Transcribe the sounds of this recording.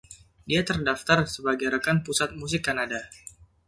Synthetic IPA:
diat̪ərdaft̪arsəbaɡajɾəkanpusat̪̚mus̬ɪkːanada

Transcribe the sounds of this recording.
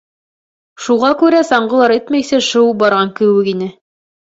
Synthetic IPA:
ʃuʁɑkʉɾæsɑɴɢɤ̆lˠɑɾɘt̪mæjsɘʃɤwbɑɾʁɑŋkɘ̆wɘkinɘ

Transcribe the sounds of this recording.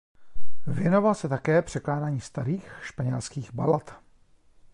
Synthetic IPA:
vjɛno̞valsɛt̪akɛːpr̥ɛklaːdaːɲiːst̪aɾiːxʃpaɲɛlskiːɣbalat̪

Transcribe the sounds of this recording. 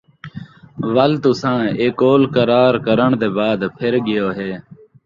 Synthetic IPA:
ʋəlt̪ʊsãːeːkoːlkəɾaːɾkəɾəɳd̪eːbaːd̪pʰɪɾɠɪjoːɦeː

